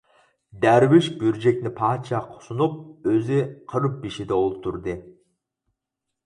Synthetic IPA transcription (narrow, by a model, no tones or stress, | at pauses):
d̪æɾwiʃbyɾd͡ʒɛk̚ʲnɪpʰɑːt͡ʃʰɑqʰʊ̥sunup̚øziqʰəɾɨp̚biʃid̪ɛolˠup̚t̪ʰuɾd̪ɨ